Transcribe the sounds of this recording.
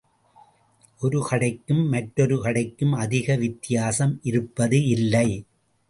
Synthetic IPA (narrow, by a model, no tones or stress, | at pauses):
ʔɔɾɯkɐɽɐɪkːɯmːɐʈːɾɔɾɯkɐɽɐɪkːɯmɐðɪɣɐʋɪt̪ːɪjaːsɐmʔɪɾɯpːɐðɯɪlːɐɪ